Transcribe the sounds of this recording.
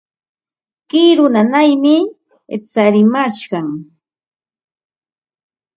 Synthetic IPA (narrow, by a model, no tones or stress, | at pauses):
kiɾʊnanajmɪ | t͡saɾɪmaʃɢɑŋ